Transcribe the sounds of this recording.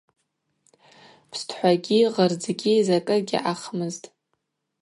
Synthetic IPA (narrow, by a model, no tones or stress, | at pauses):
pʰstʰħʷaɡʲiʁərd͡zɡʲizakʼɨɡʲḭʔaχmɨztʼ